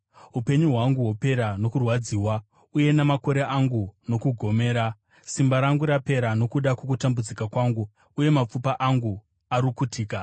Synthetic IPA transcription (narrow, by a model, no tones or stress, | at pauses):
ɦupe̞ɲuɦwaŋɡuɦope̞ɾano̞kurwad͡ziːwa | uje̞namako̞ɾe̞ʔaŋɡuno̞kuɡʱo̞me̞ːɾa | simbaɾaŋɡuɾape̞ɾano̞kuɗakok̬utambud͡zikakwaŋɡu | uje̞map͡fupaʔaŋɡu | aɾikutʰiːka